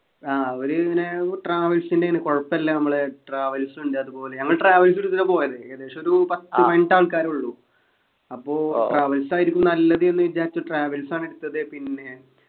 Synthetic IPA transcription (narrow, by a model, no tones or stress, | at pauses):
aːoɾuneʈraːʋɐlsindeŋːɐnɨkoɻɐpːɐlːɐnɐmːɐɭeʈraːʋɐlsuɳɖɨɐðupo̞ːleɲɐŋːɐɭʈraːʋɐls̬iɾut̪ːiðɐpo̞ːjɐðɨɐd̪ːeːʂɐmoɾupɐt̪ːiʋeɳɖaːɭkaːɾuɭːu | ɐpːo̞ːʈraːʋɐlsaːjiɾikʲːumnːɐɐlːɐðɨenːɨʋid͡ʑːaːit͡ɕːuʈraːʋɐlsaːɳeɽut̪ːɐðɨpinːe̞